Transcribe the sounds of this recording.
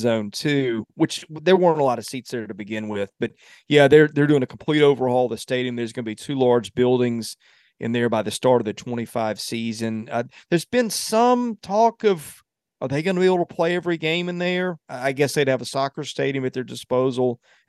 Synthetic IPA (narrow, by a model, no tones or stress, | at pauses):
zõʊ̃ntʰʉwɨt͡ʃðə˞wɜ̃˞ə̃ntəlɑɾʌv̥sitsðə˞ɾɨbɨɡɪ̃nwɪð̥b̥ʌt̚ | jæðə˞ðə˞dʉɪ̃ŋɨkʰm̩pʰl̥iɾoʊvə˞hɔlˠðɨsteɪɾiɨ̃mðə˞zɡʌnəbitʰʉlɑɹd͡ʒbɪlˠdɪ̃ŋz | ʔɨ̰̃nðə˞baɪðɨstɑɹɾʌvðɨtʰw̥ɛ̃ɾ̃ifaɪv̥sizɨ̃nʌðə˞zbɨ̃nsʌ̃mtʰɔkʌv̥ | ʔə˞ðeɪɡʌnəbieɪbl̩ˠtʰəpʰl̥eɪɛvɹiɡẽɪ̃mɨ̃nðə˞aɪɡɛsðeɪɾɨvəsɑkə˞steɪɾiɨ̃mɨt̪̚ðə˞dɨspoʊzl̩ˠ